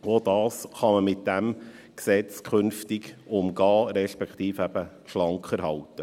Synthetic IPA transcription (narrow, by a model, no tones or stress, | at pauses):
oːdɑːsχɑməmɪt̚d̥æm | ksɛt͡skʰχʏnftɪɡʊmɡɑːɾɛʃpɛkχt̪iːfæb̥ə | ʃlɑŋkχəɾɦɑlt̪ə